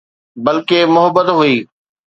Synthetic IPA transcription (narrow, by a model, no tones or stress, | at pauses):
bɐlkemʊɦəbət̪ɦuiː